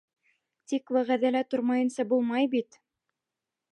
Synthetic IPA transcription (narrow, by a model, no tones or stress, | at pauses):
t̪ikwæʁæðælæt̪oɾmɑjɤ̆nsɑbulˠmɑjbit̪